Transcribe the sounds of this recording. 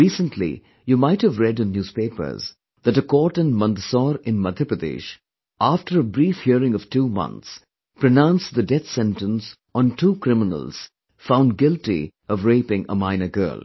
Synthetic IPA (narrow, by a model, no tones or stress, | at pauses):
ɹiːsə̃ntʰlḭ | jumaɪt̚hɨvɹɛdɨ̃nːjuːz̥peɪpə̰˞z̥ | ðɨtəkɔʈə̃nmʌ̃nt̪sɔɾɪ̃nmʌd̪jəpɹɨd̪ḭʃ | ʔafʈə˞əbɾiːfhiəɹɪ̃ŋʌv̥tʰuːmʌ̰̃nt̪s | pɹɨnãʊ̃nsðədɛθsɛ̃ntə̃ns | ɔ̃ntuːkɹɪmɪnə̰l̩ˠz̥ | fãʊ̃nd̚ɡɪlˠtḭ | ʌvɹeɪpɪ̃ŋə̰mãɪ̃nəɡɜ̰˞lˠ